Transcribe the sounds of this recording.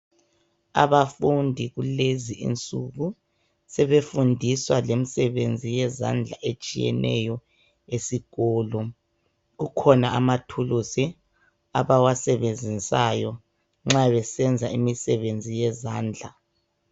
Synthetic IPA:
a̰βafundʱiɣuleziʔḭnt͡sʼuɣu | sɛβefundʱiswalemisɛβend͡zʱijɛza̰nd͡ɮʱaʔet͡ʃʼijɛ̰nʔɛ̰jɔ | esiɣɔːlɔ | ɣukʰɔnaamatʰulusi | a̰βawasɛβend͡zʱisajɔ | ŋ͡ǁaβɛsɛnd͡zʱaimisɛβend͡zʱijɛzaːnd͡ɮʱa

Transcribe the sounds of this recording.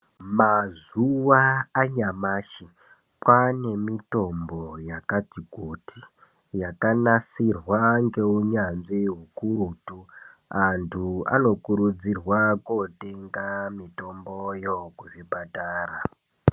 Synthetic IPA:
mazuʋaːɲamaːʃi | kwane̞mito̞mbo̞jakatiɡʱotʰi | jakanasirwaŋɡe̞uɲanʐiɦukurutuantʰua̰no̞kuɾud͡zirwakote̞ŋɡamito̞mbojokuʐibataːɾa

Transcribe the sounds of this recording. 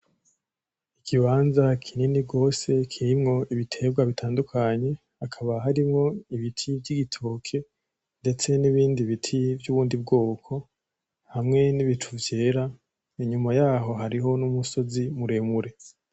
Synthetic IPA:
ikʰiβaːnzakʰininiɡo̞ːse̞kʰiɾimŋo̞iβitʰe̞ːɡwaβitʰaːndukʰaɲe̞ | akʰaβaɦaɾimŋo̞iβitʰivɟiɡitʰo̞ːkʰe̞ | nde̞t͡se̞niβiːndiβitʰivjuːβuːndib̚ɡo̞ːkʰo̞ | hamŋe̞niβitʰuvje̞ːɾa | iɲumajaːɦo̞ɦaɾiɦo̞numuso̞zimuɾe̞muɾe̞

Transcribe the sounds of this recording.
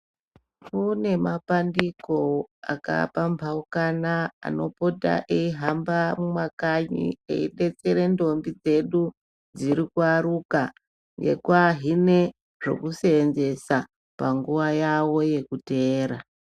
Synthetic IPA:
kune̞mapandiko̞a̰ka̰pambʱaukanaa̰no̞̰pota̰ʔeiɦambamumakaɲḭḛiɗe̞t͡se̞ɾe̞ndo̞mbid͡ze̞ɗu | d͡ziɾikuaɾuka | ŋɡe̞̰kwaɦine̞ | ʐ̥o̞̰kuse̞ːnze̞sa | paŋɡuʋajawo̞je̞kute̞ːɾa

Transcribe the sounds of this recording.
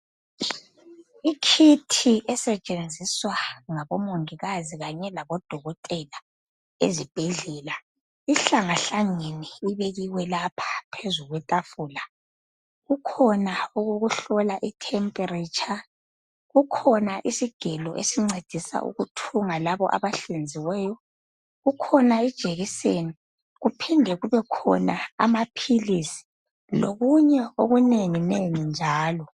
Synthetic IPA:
ikʰitʰiʔɛsɛt͡ʃʼend͡zʱiswaŋaβɔmoŋiɣaziɣaɲɛlaβɔd̥ʱɔɣɔtʼɛla | ḛzib̥ʱɛɮɛːla | iɬaŋaɬaŋɛnɛiβeɣiwɛlapʰḁpʰezuɣwɛtʼafuːla | ɣukʰɔnauɣoɣuɬɔlaʔitʰɛmpʼɛrit͡ʃʰʼa | ɣukʰɔnaʔisiɡ̥ʱɛlɔ̰ʔḛsiŋ͡ǀed̥ʱisa̰ʔṵɣutʰuŋalaβɔ̰ʔa̰βaɬend͡zʱiwɛːjɔ | ɣukʰɔnaid̥ʒ̥ʱeɣiseni | ɣupʰindʱɛɣuβɛkʰɔ̰naa̰mapʰilisi̥ | loɣuɲɛoɣuneŋineŋind͡ʒʱaːlɔ

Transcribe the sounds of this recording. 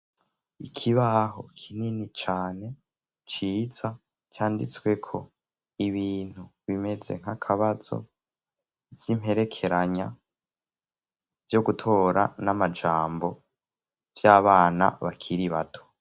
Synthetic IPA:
ikʰiβaɦo̞̰kʰininit͡ʃaːne̞ | t͡ʃiːz̥a | t͡ʃaːndit͡swe̞kʰo̞ | iβiːn̥huβime̞ze̞̰ŋ̥hakʰaβaz̥o̞̰ | vjimhe̞ɾe̞kʰe̞ɾaɲa | vjo̞ɡutʰo̞ːɾa̰namad͡ʒaːmbo̞ | vjaːβaːna̰βakʰiɾiβa̰tʰo̞̥

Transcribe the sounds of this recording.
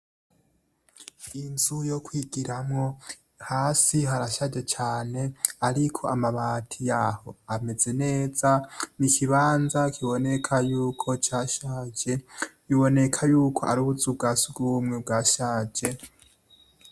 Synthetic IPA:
inzujo̞kwiɡiɾamŋo̞ | haːsiɦaɾaʃad͡ʒe̞t͡ʃaːne̞aɾikʰo̞amaβaːtʰijaho̞ame̞ze̞ne̞ːz̥anikʰiβaːnzakʰiβo̞ne̞kʰajuːkʰo̞t͡ʃaːʃaːd͡ʒe̞ | iβo̞ne̞kʰajuːkʰo̞̰ʔaɾuβuzub̚ɡaːsuɡuβumŋeb̚ɡaːʃaːd͡ʒe̞

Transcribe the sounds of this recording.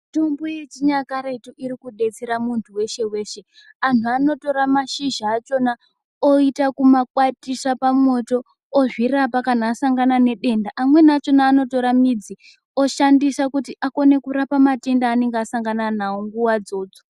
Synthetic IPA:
to̞mbo̞je̞t͡ʃiɲakaɾeituʔiɾikuɗe̞t͡seɾamuntʰuwe̞ʃe̞we̞ːʃe̞ | antʰuano̞to̞ɾamaʃiʒaːt͡ʃo̞na | oitakumakwatisapamo̞to̞ː | ʐirapakanaːsaŋɡanane̞ɗe̞ndaʔamwe̞nat͡ʃo̞naːno̞to̞ɾamid͡zi | o̞ʃandisakutiʔako̞ne̞kuɾapamate̞ndaːne̞ŋɡeasaŋɡananawoŋɡuwad͡zo̞ːd͡zo

